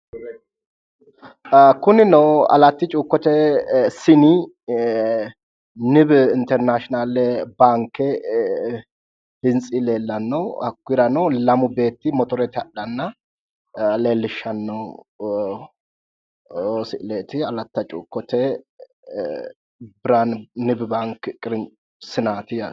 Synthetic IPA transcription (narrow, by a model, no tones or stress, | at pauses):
kʊnɪnɔɐ̰lɐt̪ːɪt͡ʃʼuːkːɔt̪ɛsɪni | nɪbɪnt̪ɛɾnaʃɔnalɛbaːŋkːɛ | bɪnt͡sʼɪle̞ːlːɐnːɔɐkːʊɪɾɐnɔlɐmʊbe̞ːt̪ːɪmɔt̪ɔɾɛt̪ɪɐɗɐnːɐ | le̞ːlːɪʃːɐnːɔ | osɪʔleːt̪ɪɐlɐt̪ːɐt͡ʃʼṵːkːɔt̪ɛ | bɪɾannɪbbaŋkkʼːɾ | sɪnaːt̪ɪ